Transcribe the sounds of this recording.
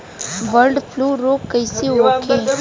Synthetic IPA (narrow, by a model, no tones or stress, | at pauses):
ʋəɾɖfluːɾoːkːɐɪseoːkʰẽ